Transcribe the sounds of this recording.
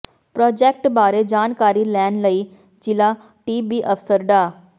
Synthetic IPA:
pɾɔːd͡ʑek̚ʈbaːɾed͡ʑaːnkaːɾiːlɛɳɖləiː | d͡ʑila | ʈiːbiʔəfsəɾɖa

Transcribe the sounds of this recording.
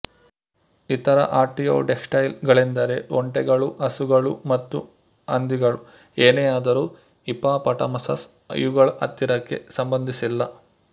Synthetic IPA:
it̪ɐɾɐ̰ʔaːɾʈijo̰ːʈeksʈɐjlɡɐɭind̪ɐɾe̞ɔɳʈɛɡɐɭuʔɐsuɡɐɭumɐt̪ːu | ɐnd̪iɡɐɭu | eːneaːd̪ɐɾuː | ipaːpɐʈɐmɐsɐs | ɐ̰juɡɐɭʔɐ̰t̪ːiɾɐkːe̞̰sɐmbɐnd̪ʱisilːɐ

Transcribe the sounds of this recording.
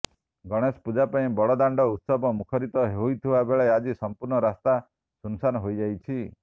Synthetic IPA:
ɡɔɽ̃espud͡ʒapaĩbɔɽɔd̪aɳɖɔut̪sɔbɔmukʰɔɾit̪ɔɦeujt̪ʰibabeɭead͡ʒisɔmpuɾɳɔɾast̪a | sunsanɔɦojd͡ʒajt͡ʃʰi

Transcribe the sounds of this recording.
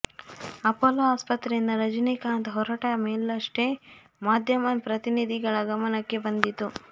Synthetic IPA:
ɐpoːlɐaːspɐt̪ɾeind̪ɐɾɐd͡ʒɐnikaːnt̪ɦɔɾɐʈameːlɐʂʈe | maːd̪ʱjɐmɐpɾɐt̪inid̪ʱiɡɐɭɐɡɐmɐnɐkːe̞bɐnd̪it̪ːu

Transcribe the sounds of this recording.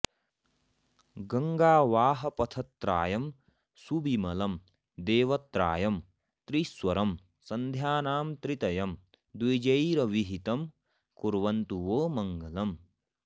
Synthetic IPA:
ɡɐŋɡaːʋaːɦɐ̆pɐt̪ʰɐt̪ɾa̰ːjɐm | subʱimɐlɐm | d̪eːʋɐt̪ɾa̰ːjɐm | t̪ɾiswɐɾɐm | sɐnd̪ʱjaːnaːmt̪ɾit̪ɐjɐm | d̪ujd͡ʒɐjɾɐʋiɦit̪ɐm | kuɾʋɐnt̪uʋoːmɐŋɡɐlɐm

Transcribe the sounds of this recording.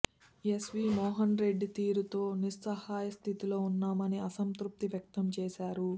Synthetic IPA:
jesʋiːmɔːɦɐnɾe̞ɖːt̪iːɾut̪o̞ːniɾːɐhaːjɐst̪ʰit̪ilo̞ːunːaːmɐniɐsɐnt̪ɾup̚t̪iʋjɐk̚t̪ɐmt͡ʃeːʃaːɾu

